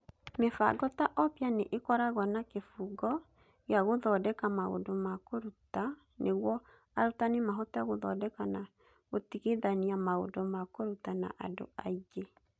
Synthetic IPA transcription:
mefa̰ɡɔtaʔɔpjaneʔekɔɾaɣɔnakefuɡɔ | jaɣoðɔdɛkamao̰ndomakoɾuta | nʔeɣwɔ | aɾutanemaɦɔtaaɣoðɔdɛkana | ɣotiɣeðaniamao̰domakoɾutana̰ʔa̰do̰aiɡe

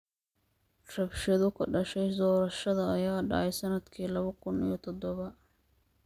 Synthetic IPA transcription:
rɐbʃɐðʊkʰɐɖɐʃɛjd̪ɔːɾɐʃɐðɐːjaːɖɑ̰ʕɛjsɐnɐd̪kʰiːlɐβɐkʰʊnḭjɞt̪ʰɔd̪ɔβɐ

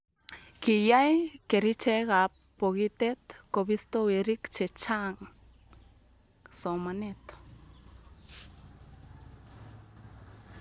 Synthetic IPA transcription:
kijajkeɾit͡ʃeɣapː | oɣit̪et̪koβist̪owiɾikt͡ʃet͡ʃaŋ | somanet̪

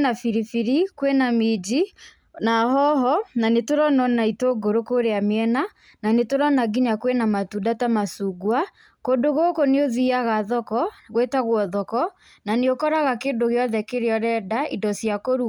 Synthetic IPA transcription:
nafiɾifiɾikwenamid͡ʒi | nahɔɦɔnanetoɾɔnɔnaitoɡoɾokoɾeameɛna | nanetoɾɔnaɡiɲakwenamatudatamasuɡwa | kondoɣokoneoðiaɣaðɔkɔɣwetaɣwɔðɔkɔ | naneokɔɾaɣakeːndoɣeɔðɛkeɾeɔɾɛdaidɔsiakoɾu

